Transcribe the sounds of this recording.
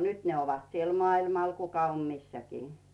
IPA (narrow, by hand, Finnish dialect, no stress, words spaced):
nyt ne oʋɑt siel mŏɑilmɑl kukɑ om misːækiː